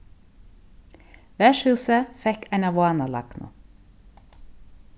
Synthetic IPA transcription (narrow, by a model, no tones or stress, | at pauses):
ʋæːʃhʉːsəfɛkæɪnɑʋʊɑːnɑlɑ̰knʊ̰